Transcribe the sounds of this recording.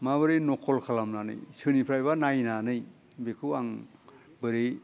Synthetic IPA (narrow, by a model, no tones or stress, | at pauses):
maβɯɾenɔkʰɔlkʰalamnanɯ̰jsɯnipʰɾajbanajnanɯj | bekʰɯaŋ | bɯɾe